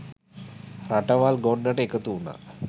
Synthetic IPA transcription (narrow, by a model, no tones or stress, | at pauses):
ɾɐʈːɐʋaːlɡoːɖnɐʈekːɐt̪uːnːa̰